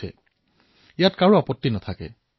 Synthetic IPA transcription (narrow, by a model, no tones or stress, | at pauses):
ɛ̰ | ijatkaɹuapɔtːinat̪ʰakɛ̰